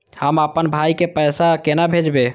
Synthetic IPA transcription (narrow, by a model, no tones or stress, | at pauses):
həməpənbʱajkepəjsakenabʱed͡ʒbe